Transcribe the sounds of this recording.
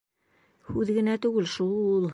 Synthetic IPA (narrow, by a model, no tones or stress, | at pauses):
hʉðɡɘ̆næt̪ʉɡɘlʃulˠ